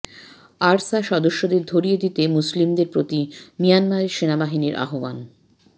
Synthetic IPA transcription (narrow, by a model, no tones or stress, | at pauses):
aɾsaʃɔd̪oʃːod̪eɾd̪ʱoɾijed̪it̪emuslimd̪eɾpɾot̪imijanmaɾeɾʃenabaɦiniɾʔa̰ɦoban